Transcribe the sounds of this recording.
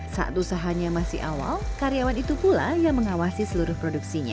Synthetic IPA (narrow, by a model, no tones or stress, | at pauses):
sa̰ʔa̰t̪usaɦaɲamasɪ̰ɦa̰wa̰lkaɾiawanit̪upula̰jaŋməŋawasisəluɾʊhpɾoduksiɲa̰